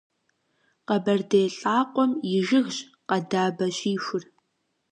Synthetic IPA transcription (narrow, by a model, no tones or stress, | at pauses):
qɐbɐrdeːɬʼaːqʷʼɔmjɪʒɪɣɕ | qɐdaːbɐɕiːxʷʊr